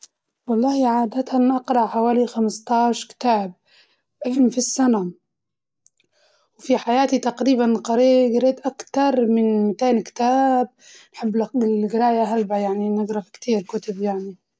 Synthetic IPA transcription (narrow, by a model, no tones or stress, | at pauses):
wɑlˤːɑːhiʕaːd̪at̪anʔɑqɾˤɑʕħawaːlixamst̪ˤɑːʃkɪ̥t̪aːb̚ | ʔafɪmfisːana | wfiħajaːt̪it̪aqɾiːbanqɑɾeːɡɪɾeːt̪ʔakt̪ɑɾˤmɪnmɪt̪eːnkɪ̥t̪aːb̚ | nħabːlaɪlɡɪɾaːjaɦalbajaʕninɪɡɾˤɑfkt̪iːɾkʊt̪abjaʕni